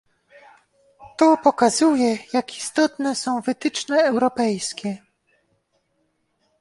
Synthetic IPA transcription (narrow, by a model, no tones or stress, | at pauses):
t̪ɔpɔkazujɛjaki̥st̪ɔt̪nɛsɔ̃w̃vɘt̪ɘt͡ʂnɛɛwɾɔpɛjskʲɛ